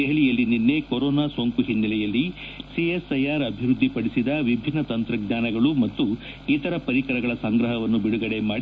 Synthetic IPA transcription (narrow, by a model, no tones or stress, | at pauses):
eɦlijɐlːininːe̞koɾɔːnaːsoːŋkuɦinːɐlɛjɐlːi | siesɐjaːɾɐbʱiɾud̪ʱːipɐɽisid̪ɐʋibʱinːɐt̪ɐnt̪ɾɐɡɲaːnɐɡɐɭumɐt̪ːu | it̪ɐɾɐpɐɾikɐɾɐɡɐɭɐsɐŋɡɾɐɦɐʋɐnːubiɽuɡɐɽe̞maːɽi